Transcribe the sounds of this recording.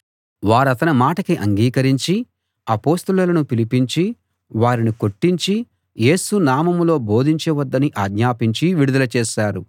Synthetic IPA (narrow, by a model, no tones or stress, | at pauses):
ʋaːɾɐt̪ɐnimaːʈɐkiʔɐ̰ŋɡiːkɐɾiɲt͡ʃi | ɐpo̞ːst̪ulɐlɐnupilipiɲt͡ʃi | ʋaːɾiniko̞ʈːiɲt͡ʃi | je̞ːsunaːmɐmlo̞ːbo̞ːd̪ʱiɲt͡ʃeʋɐd̪ːɐniʔaːɡɲaːpiɲt͡ʃiʋiɽud̪ɐlɐt͡ʃeːʃaːɾu